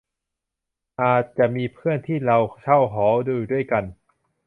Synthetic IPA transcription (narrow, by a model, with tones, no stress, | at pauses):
ʔaː˨˩t̪̚t͡ɕa˨˩miː˧pʰɯ˥˩ənt̪ʰiː˥˩ɾa˧wt͡ɕʰa˥˩wɦɔː˩˦duː˧du˥˩əjka˧n